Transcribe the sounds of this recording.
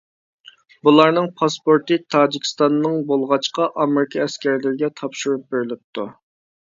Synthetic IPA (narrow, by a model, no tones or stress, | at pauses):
bulˠɑɾnɨŋpʰɑspoɾt̪ɨt̪ʰɑːd͡ʒikʲi̥st̪ɑnːɨŋbolˠʁɑt͡ʃqɑʔɑmɪɾɪkʰɑɛskʲɛɾlɪɾɪɡʲɛt̪ʰɑpʃuɾup̚beɾɪlɪp̚t̪ʰu